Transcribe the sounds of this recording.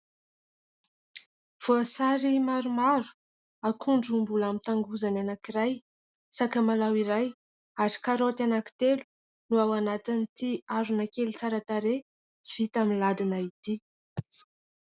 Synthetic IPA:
v̥oasaɾimaɾumaɾu̥ | akʰuɳɖ͡ʐumbulamit̪aŋɡuzananakiɾaj | sakəmalawiɾaj | aɾi̥kaɾot̪anaki̥t̪elu̥ | nuawanat̪init̪iaɾunakelut͡saɾat̪aɾe | v̥it̪aminlad̪inait̪i

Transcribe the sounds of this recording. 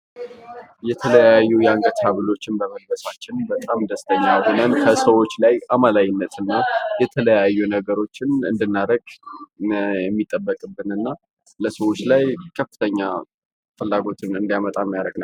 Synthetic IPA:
jɛt̪ʰələjajːujɛaŋɡət̪haβɨlo̞t͡ʃːɪnbəməd̪ləsat͡ʃːɪnbət̪ʼamd̪əst̪ʰəɲːahonənkʰəsəwo̞t͡ʃːlajamalajɪnːət̪ʰɨnːajɛt̪ʰələjajːunəɡəɾo̞t͡ʃːɪnɨ̰nd̪ɨnːaɾəɡ | jɛmːit̪ʼːəbːəkʼɨbːɨnɨnːa | ləsəwo̞t͡ʃːlajkʰəfːɨt̪ʰəɲːa | fɨlːaɡo̞t̪ʰɨnɨnd̪jamət̪ʼamːjaɾəɡnəw

